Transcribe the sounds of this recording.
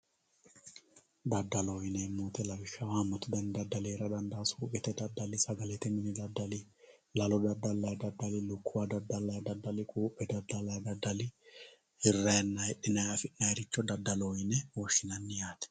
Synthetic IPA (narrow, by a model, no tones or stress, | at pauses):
d̪ɐd̪ːɐloːjɪnɛmːoːt̪ɛlɐbɪʃːɐwaːmːɐt̪ɪd̪ɐnd̪ɐd̪ːɐleːɾɐd̪ɐnd̪aːsuːpʼɪt̪ɛd̪ɐd̪ːɐlɪsɐɡɐlɛt̪ɛmɪnɪd̪ɐd̪ːɐlɪ | lɐlɔd̪ɐd̪ːɐlːɐjd̪ɐd̪ːɐlɪlʊkʰːʊwad̪ɐd̪ːɐlːɐd̪ɐd̪ːɐlɪkʼuːpːɛd̪ɐd̪ɐlɐjd̪ɐd̪ːɐlɪ | hɪrːɐɛnːahɛᶑːɪnɐjɐfɪʔnɐɛɾɪt͡ʃːɔd̪ɐd̪ːɐloːjɪnɛwɔʃːɪnɐnːɪjaːt̪ɛ̥